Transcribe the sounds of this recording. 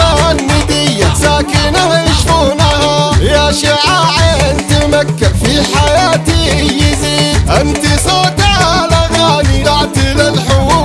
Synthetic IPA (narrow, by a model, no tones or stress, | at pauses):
aanmɪd̪ɪjːasaːkɪnahajɪʃfuːnahajaʃɪʕaːʕeʔɪnt̪imakːafiħajaːt̪ijɪziːʔɪnt̪isˤoːt̪ʕalaɣaːniaʕt̪ɪlalħʊ